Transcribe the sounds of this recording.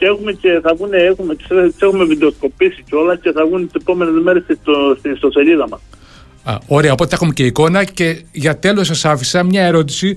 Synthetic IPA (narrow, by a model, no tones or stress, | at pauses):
ceexumece̞θɐvuneexumet̪set̪ise̞xumeviðeo̞sko̞pisiceo̞lɐsce̞θɐvunet̪isepo̞me̞nezmeɾest̪ist̪ost̪ist̪o̞se̞liðɐmɐs | ɐ̰o̞ɾe̞ɐo̞po̞t̪eexumece̞iko̞nɐce̞ʝɐt̪e̞lussɐsɐfisɐmɲɐe̞ɾo̞t̪̬i̥si